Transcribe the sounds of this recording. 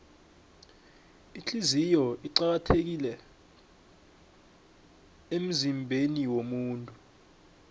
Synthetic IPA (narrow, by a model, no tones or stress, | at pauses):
it͡ɬʰizijɔiǀak̬atʰek̬ilɛ | em̩zimbʱeniwomuːntʼu